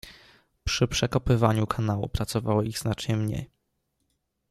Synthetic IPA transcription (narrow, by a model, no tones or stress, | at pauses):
pʂɘpʂɛkɔpɘvaɲukʰanawṵpɾat̪sɔvawɔiɣznat͡ʂɲɛmɲḛj